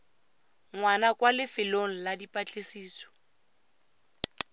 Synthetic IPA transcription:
ŋwanakwalɪfɪloŋ̩ladipʼat͡ɬʼesiːsɔ̥

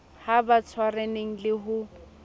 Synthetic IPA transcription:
habat͡sʰwareneŋ̩lɪɦʊ

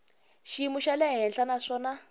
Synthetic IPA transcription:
ʃimuʃalɛɦɛnɬanaʂɔːna

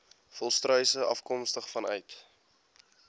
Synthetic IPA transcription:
fɔlˠstrœɥsəʔɐ̰fkɔmstəχfɐnœ̰jt

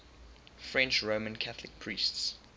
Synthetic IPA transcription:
fɹɛ̃nt͡ʃɹoʊmə̃nkʰaθlɪk̚pʰɹ̥iːˑsts

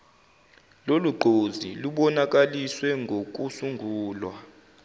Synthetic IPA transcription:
loluɡ͡ǃʱozḭluɓɔnak̬ʼaliswɛŋɡʱok̬ʼusuŋɡʱuːlwa

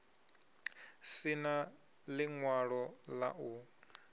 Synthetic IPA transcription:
sina | lɪŋwaɺɔla̰ʔu

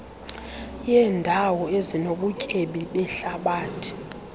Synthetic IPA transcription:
jɛːndʱawɔezinoɓucʼeɓiɓɛɬaɓaːtʰi̥

